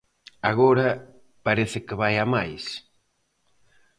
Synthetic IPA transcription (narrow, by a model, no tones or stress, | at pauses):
aɣoɾɐ | paɾeθɪkɪβajamajs